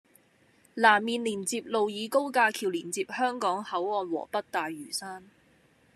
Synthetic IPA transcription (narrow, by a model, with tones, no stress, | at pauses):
laː˨˩mːiː˨nliː˨˩nt͡siː˧p̚lo˨wjiː˨˧ko˥wkaː˧kʰiː˨˩wliː˨˩nt͡siː˧p̚hœː˥ŋkɔː˨˥ŋhɐ˨˥wɔː˧nwɔ̰ː˨˩pɐ˥t̚t̪aː˨jyː˨˩saː˥n